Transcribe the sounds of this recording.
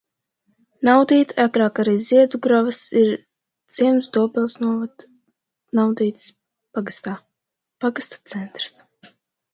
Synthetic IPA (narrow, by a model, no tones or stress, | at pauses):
nawd̪iːt̪akɾaːkaɾijziɛd̪uɡɾavasiɾ | t̪siɛmsd̪uɔpʲɛlˠsnuɔvad̪ | nawd̪iːt̪s | paɡst̪aː | paɡast̪ḁt̪sɛnt̪ɾs